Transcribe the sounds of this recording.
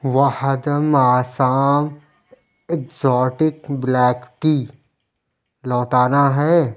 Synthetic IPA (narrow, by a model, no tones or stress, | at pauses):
ʋahd̪əmaːsaːm | ekzɔːʈɪkblɛːkʈi | lɔːʈaːnaɦɛː